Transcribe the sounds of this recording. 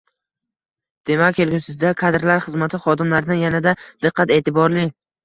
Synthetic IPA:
d̪̥e̞mak̚ʲkʰelɡʲusɪd̪akʰad̪ɾlaɾχɨzmat̪ʰɪχɒd̪ɪmlaɾɪd̪anjanad̪ad̪̥ɨqʰːat̪e̞ːt̪ʰɪbɒɾlɪ

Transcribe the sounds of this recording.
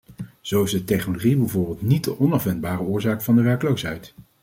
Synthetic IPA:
z̥owɪzdətɛχnoloχibɛjvʊːɹbɪːlˠtnit̚dəʔɔnɑfʋɛndbaːrəʊːɹzaːkfɑndəʋɛɹkəlowsɦɛjt

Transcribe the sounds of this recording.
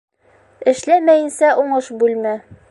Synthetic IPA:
ɘ̆ʃlæmæjɘ̆nsæʔuɴɤʃbʉlmæ

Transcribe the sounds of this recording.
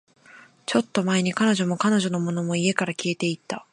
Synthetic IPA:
t͡ɕo̞t̪ːo̞mae̞ɲ̟ikano̞ʑo̞mo̞kano̞ʑo̞no̞mo̞no̞mo̞ie̞kaɾakʲie̞t̪e̞it̪ːa

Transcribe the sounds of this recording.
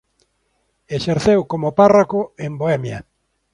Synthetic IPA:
eʃeɾθewkomoparakoemboɛmjɐ̰

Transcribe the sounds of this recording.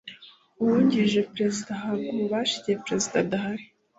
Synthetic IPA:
uwuɲɟiʒepɾezid̪aɦaɡuβaʃi̥tiepɾezidadahaɾi

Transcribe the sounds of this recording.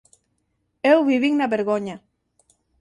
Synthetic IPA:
ewβiβiŋnaβeɾɣoɲa

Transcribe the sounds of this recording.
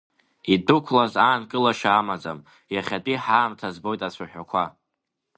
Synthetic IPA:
idʊkʷʰlazaːnkʼɨlaʃaːmad͡zam | jaχʲatʼiħaːmtʰazbo̞jtʼat͡ɕʷʰaħᶣakʷʰa

